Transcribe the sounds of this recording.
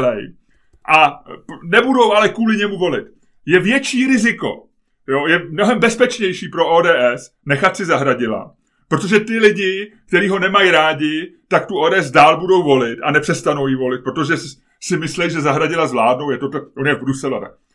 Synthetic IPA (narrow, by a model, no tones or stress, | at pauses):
lɛj | ʔanɛbudo̞wʔalɛkuːlɪɲɛmuvo̞lɪt̪ | jɛvjɛt͡ʃiːɾɪzɪko̞̰ | jojɛmno̞ɦɛmbɛspɛt͡ʃɲɛjʃiːpɾo̞ʔoːdɛːʔɛs | nɛxat̪sɪzaɦɾaɟɪla̰ | pɾo̞t̪o̞ʒɛt̪ɪlɪɟɪk̚t̪ɛɾiːɦo̞nɛmajɾaːɟɪt̪akt̪uodɛːɛz̬daːlbudo̞wvo̞lɪt̪a̰nɛpr̝̥ɛst̪ano̞wjivo̞lɪt̪̚pɾo̞t̪oʒɛs | sɪmɪslɛjʒɛzaɦɾaɟɪlazvlaːdno̞wjɛt̪ot̪ɛʔonjɛvbɾusɛla̰t̪a̰k̚